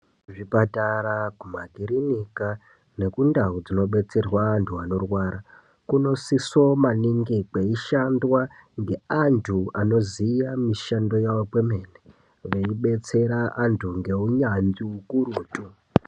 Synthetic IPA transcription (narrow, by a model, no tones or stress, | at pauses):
ʐipatarakumaɡʱiɾinika | ne̞kundaud͡zino̞ɓe̞t͡se̞rwaːntʰuano̞rwaːɾa | kuno̞siso̞maniŋɡikeiʃandwaŋɡe̞antʰuano̞zijamiʃando̞jawokweme̞ne | ʋeiɓe̞t͡se̞ɾaʔantʰuŋɡe̞uɲand͡ziukuruːtʼu